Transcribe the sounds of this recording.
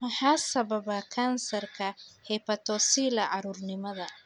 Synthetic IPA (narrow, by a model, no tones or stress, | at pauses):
mɐħasɐbɐbɐkʰansɐrkʰɐhɛpɐt̪ʰɔːsiːlɐʕɑɾurnɪmɐðɐ